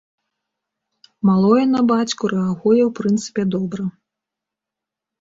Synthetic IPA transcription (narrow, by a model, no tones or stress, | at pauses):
malˠɔjɛnɐbat͡sʲkuɾɛaɣɔjɛwpɾɨnt̪sɨ̥pʲɛd̪ɔbɾɐ